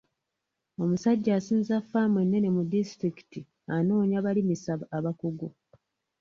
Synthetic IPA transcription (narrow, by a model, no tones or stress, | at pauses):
o̞musaɟːaːsiːnzafːamwe̞nːe̞ne̞mudistɾiki̥ti | ano̞ːɲaβalimisaβaaβakuɡo